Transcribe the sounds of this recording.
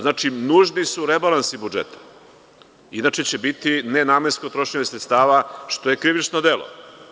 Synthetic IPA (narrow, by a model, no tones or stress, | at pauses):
znaːt͡ʃinuʒnisuɾebalansibud͡ʒḛt̪ʰḁ | inat͡ʃe̞t͡ɕe̞bit̪inenaːmenskot̪ɾo̞ʃɲeɲesɾet̪st̪aːʋaʃt̪o̞je̞kɾiʋit͡ʃnod̪elo̰